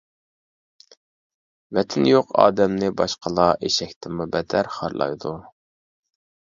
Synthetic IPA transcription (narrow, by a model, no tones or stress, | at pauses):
vɛt̪ʰɪnjoqɑ̰ːd̪ɛmnɪbɑʃqʰəlˠɑʔeʃɛkʲt̪ʰɪmubɛd̪ʰæɾχɑɾlˠɑ̰jd̪u